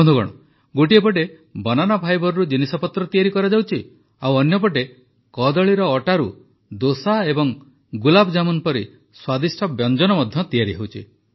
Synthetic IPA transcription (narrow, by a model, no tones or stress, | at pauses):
ɔnd̪uɡɔ̰ɽ̃ɔ̰ | ɡoʈiepɔʈ̬e | bɔnanɔbʱajbɔɾɔɾud͡ʒinisɔpɔt̪ɾɔt̪ijaɾikɔɾad͡ʒawt͡ʃʰi | awɔnjɔp̬ɔʈ̬e | kɔd̪ɔɭiɾɔːʈaɾu | d̪osaebɔŋ | ɡulabɔd͡ʒamɔnpɔɾi | swad̪isʈʰɔbjɔnd͡ʒɔnɔmɔd̪ʱjɔt̪ijaɾiɦewt͡ʃʰi